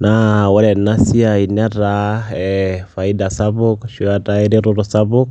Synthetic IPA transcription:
nawɛɾɛnasiainɛɾaɛfaidasabukʃiataɛɾiɾuɾusabuk

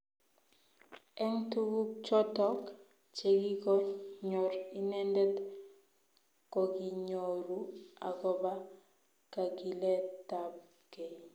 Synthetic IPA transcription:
ɛŋtuɡut͡ʃɔtɔk | t͡ʃeɡikɔɲɔɾinɛndɛt | kɔɡiɲoɾua̰ɡɔba | kaɡilɛtab̚ | ke

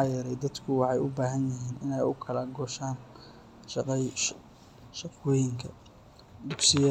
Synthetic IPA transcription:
jɛɾɛjd̪ɐd̪kʰʊwɑħɑjʊbaːɦɐnjɪɦiːnɪnɛjʊkʰɐlɐɡɔːʃaːn | ʃɑqɛj | ʃɑqɔːjɪŋkʰɐ | d̪ʊɡsɪjɐ

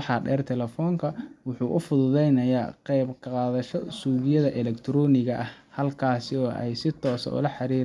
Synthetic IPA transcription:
ħɑɖɛːrt̪ʰɛlɛfɔːŋkʰɐwʊħuːʔʊfʊðʊðɛjnɐja̰ːqɛjbqqɑːðɐʃɔsuːβɪjɐðɐʔɛlɛkt̪ʰɾɔːnɪɣɐʔɐhhɐlkʰaːsɪɔːʔɛ̰jsɪt̪ʰɔːsɐ̰ʊ̰lɐħɑɾiːɾ

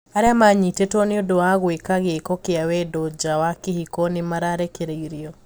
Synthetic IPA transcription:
aɾeamaɲitetɔneodowaɣwekaɣekɔkeawɛdɔd͡ʒawakehikɔnemaɾaːɾɛkeɾeiɾiɔ

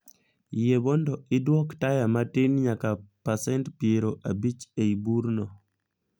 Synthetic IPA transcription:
jebɔndɔɪdwɔktajamatɪnɲakapasɛntpieɾoʔabit͡ʃeibuɾnɔ

